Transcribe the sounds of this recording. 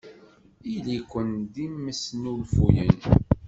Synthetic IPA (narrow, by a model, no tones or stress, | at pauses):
ilikʷːənd̪imːəsnulfujə̰n